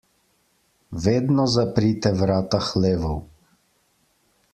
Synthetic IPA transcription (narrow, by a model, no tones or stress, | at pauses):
ʋeːd̪nɔzapɾit̪ɛʋɾaːt̪axleːʋɔw